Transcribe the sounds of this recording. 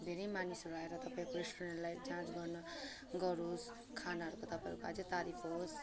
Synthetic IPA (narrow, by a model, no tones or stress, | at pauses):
d̪ʱeɾejmanisɾaɦeɾʌt̪ʌpaĩkoɾesʈuɾeɳʈlajd͡zãt͡sɡʌrnʌ | ɡʌɾos | kʰanaɦʌɾukot̪ʌpaj̃ɾukoa̰d͡zet̪aɾipʰɦos